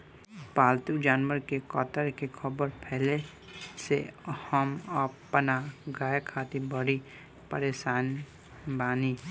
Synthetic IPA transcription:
paːlt̪ud͡ʒaːnʋəɾkekɔt̪əɾkekʰəbəɾpʰɛːle | sehəməpnaɡaːjekʰaːt̪ibəɽi | pəɾeːʃaːn | baːni

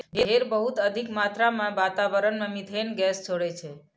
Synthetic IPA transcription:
ɦeɦeɾbəɦut̪əd̪ʱikmat̪ɾamãʋat̪aʋəɾənmẽmit̪enɡɛst͡ʃʰoɽet͡ʃʰe

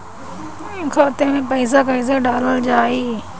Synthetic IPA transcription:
ɪnkʰaʊt̪emẽpɐɪs̬akɐis̬ɐɡɖaːləld͡ʑaːiː

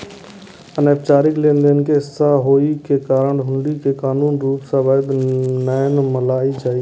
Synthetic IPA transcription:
əneːpt͡ʃaːɾɪklẽːnd̪enkeɦɪsaɦoːikekaːɾəɳɦʊɳɖikekaːnuːnɾuːpsãʋaːd̪nəjnməlaːid͡ʒaːi

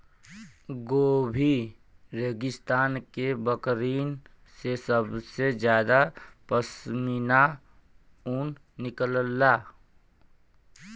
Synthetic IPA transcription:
ɡoːbʱiɾeːɡɪst̪aːnkebəkɾiːn | sesəbsed͡ʒjaːd̪apəsmina | uːn | nɪkələlːaː

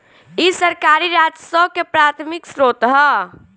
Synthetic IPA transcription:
isəɾkaːɾiɾaːd͡ʒsəkepɾaːt̪ʰmɪksɾoːt̪ɦɛ

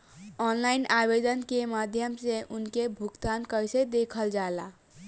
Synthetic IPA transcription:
ɔnlaɪnabed̪ənkemad̪ʱjəmseʔunkebʱuɡt̪ankəjsed̪ekʰəld͡ʒala

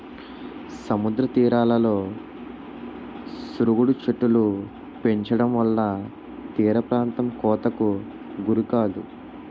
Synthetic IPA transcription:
sɐmud̪ɾɐt̪iːɾaːlɐlo̞ː | suɾuɡuɽut͡ʃeʈːulu | pe̞ɲt͡ʃɐɽɐmʋɐlːɐ | t̪iːɾɐpɾaːnt̪ɐmkɔːt̪ɐku | ɡuɾukaːd̪u

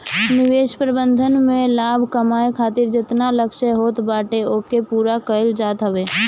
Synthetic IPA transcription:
nɪʋeːʃpɾəbə̃nd̪ʱənmẽlaːbʱkəmaːekʰaːt̪ɪɾd͡ʒɪt̪naləkʃəɦoːt̪baːʈeoːkepuːɾakəɪld͡ʒaːt̪ɦəʋeː

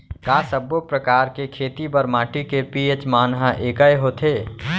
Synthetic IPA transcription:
kaːsəbopɾəkaːɾkekʰeːt̪ibɐɾmaːʈikepiet͡ʃmaːnɦaʔeːkəeɦoːt̪ʰeː

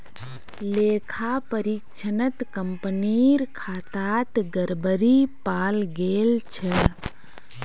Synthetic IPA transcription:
leːkʰapəɾikt͡ʃʰənət̪kəmpniɾkʰaːt̪aːt̪ɡəɾbəɾipaːlɡeːlt͡ʃʰɛ

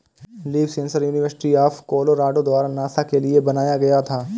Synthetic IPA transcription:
liːʋsẽnsəɾjuːnɪʋəɾsɪ̥ʈiaːfkoːloɾaːɖod̪waːɾanaːsakeliebɐnaːjaɡɐjat̪ʰaː

